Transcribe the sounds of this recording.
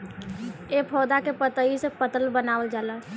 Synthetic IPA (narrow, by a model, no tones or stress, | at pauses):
eːpʰɔːd̪akepət̪əisepət̪əlbənaːwəld͡ʒaːla